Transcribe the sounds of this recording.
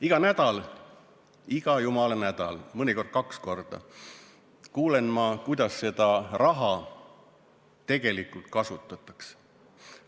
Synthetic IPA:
iɡ̥ɑnæd̪̥ɑl | iɡ̥ɑjumɑlɑnæd̪̥ɑ̰lmɤnʲiko̞rd̪̥̚kɑksko̞rd̪̥ɑ̰ | kuːle̞nmɑkujd̪̥ɑsːe̞d̪̥ɑrɑɦɑ | t̪e̞ɡ̥e̞likult̪̚kɑsut̪ːˑɑt̪ːˑɑ̥ks

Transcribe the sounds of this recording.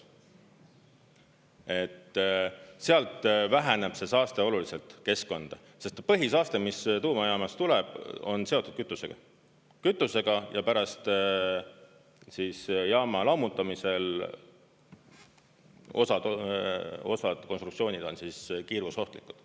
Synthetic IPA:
e̞t̪ː | seɑlt̪væɦæne̞b̥se̞sɑːst̪e̞o̞lulise̞lt̪ˑke̞sko̞nd̪̥ɑ | se̞st̪pɤɦisɑːst̪e̞mist̪uːmɑjɑːmɑst̪ulɛb̥o̞̰nse̞o̞t̪ːˑud̪̥kyt̪ːˑuse̞ɡ̥ɑ̰ | kyt̪ːˑuse̞ɡ̥ɑjɑpæɾɑst̪ | siːsjɑːmɑlɑmut̪ːˑɑmise̞l | o̞sɑd̪ | o̞̰sɑd̪̥ko̞nst̪rukt̪sio̞ːnid̪̥o̞nsiskiːɾvuso̞ht̪likːˑu̥d̪̥

